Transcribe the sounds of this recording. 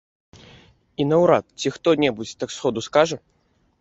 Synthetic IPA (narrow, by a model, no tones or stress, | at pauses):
inɐwɾat̪̚t͡sʲixt̪ɔnʲɛbut͡sʲt̪aksxɔd̪uskaʐɐ